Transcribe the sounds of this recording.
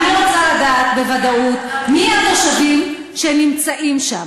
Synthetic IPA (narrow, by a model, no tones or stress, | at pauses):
niʁot͡saladaːt̪̚bevad̪aut̪miaʁaʃavim | ʃenimt͡saʔimʃam